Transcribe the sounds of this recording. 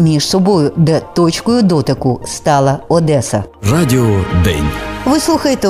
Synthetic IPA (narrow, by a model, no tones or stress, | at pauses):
mʲiʒsɔbɔjʊd̪ɛt̪ɔt͡ʃkɔjʊd̪ɔt̪ɪkʊst̪ɑlˠɐɔd̪ɛsɐ̰rɑdʲɪɔd̪ɛ̰nʲʋɪslˠuxɐjet̪e